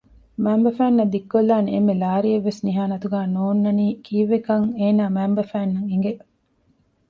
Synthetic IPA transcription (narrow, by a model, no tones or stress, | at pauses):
mæːmbɐfæːnːɐd̪ikːolːaːneemːelaːɾieʋːesniɦaːnɐt̪uɡæːnoːnːɐniːkʰiːʋekɐŋeːnaːmæːmbɐfæːnːɐŋiŋɡe